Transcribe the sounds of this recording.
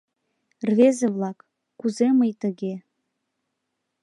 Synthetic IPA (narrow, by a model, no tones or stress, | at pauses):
rvezeβlˠɑkː | uzeməjt̪ə̆ɣe